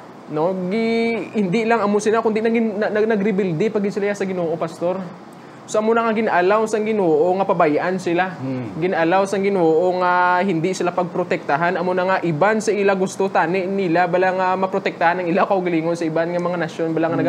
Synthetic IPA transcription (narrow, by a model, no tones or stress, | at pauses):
no̞ɡɪhɪnd̪ilɐŋɐmosɪlakʊnd̪inɐɡɪnɐɡɾɪbɪld̪ɪpɐɡɪd̪sɪlajasɐɡɪnoːʔo̞pɐst̪o̞ɾ | soʔɐmonɐŋaɡɪnʔalawsɐŋɡɪnoːʔo̞ŋɐpɐbajʔansɪlaɡɪnʔalawsɐŋɡɪnoːʔo̞ŋahɪnd̪isɪlapɐɡ̚pɾot̪ɛk̚t̪ɐɦanʔɐmonɐŋaʔɪbansɐʔɪlaɡʊst̪ot̪aːnɪʔnilabaːlaŋamɐpɾot̪ɛk̚t̪ɐhanːɐŋɪlakɐhʊɡɐliːŋonsɐʔɪbanŋɐmɐŋanɐʃjo̞nbaːlaŋanɐɡ